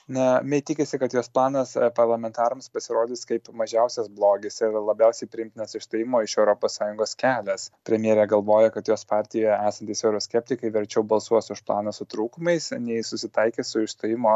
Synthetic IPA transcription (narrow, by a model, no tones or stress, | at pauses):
nɐmʲɛt̪ʲɪkʲɪsʲɪkɐt̪joːsplˠɑːnɐspɐɾlˠɐmʲɛnt̪ɑːɾɐmspɐsʲɪɾoːd̪ʲɪskɐɪpmɐʒʲɛʊsʲɛsblˠoːɡʲɪsɪlˠɐbʲɛʊsʲɛɪpʲɾʲɪɪmʲt̪ʲɪnʲɛsɪʃst̪oːjɪmoːɪʃɛʊɾoːpoːssɑːjʊŋɡoːskʲæːlʲɛspʲɾʲɛmʲjiɛɾʲɛɡɐlˠʋoːjɛkɐt̪joːspɑːɾʲt̪ʲɪjɛæːsɐnt̪ʲɪsɛʊɾoːsʲkʲɛp̚ʲt̪ʲɪkɐɪʋʲɛɾʲt͡ʃʲɛʊbɐlˠsuɔsʊʃplˠɑ̰ːnɐsʊt̪ɾuːkʊmɐɪsnʲɛɪsʊsʲɪt̪ɐɪkʲesʊɪʃst̪oːjɪmoː